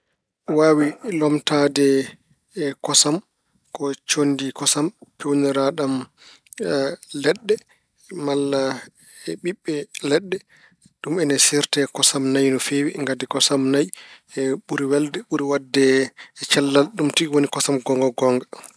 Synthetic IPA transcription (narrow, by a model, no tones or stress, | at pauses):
waːwilɔmtadɛ | kɔsam | kɔt͡ʃondikɔsampʰɛwnɛɾaɗam | lɛɗːɛ | malːa | ɛɓiɓːɛlɛɗːɛ | ɗumɛnɛsiɾtɛkɔsamnajnɔfewiŋɡadɛkɔsamnajɛɓuɾiwɛldɛɓuɾiwadːɛt͡ʃɛlːalɗumtiwonikɔsamɡɔŋɡɔɡɔŋɡa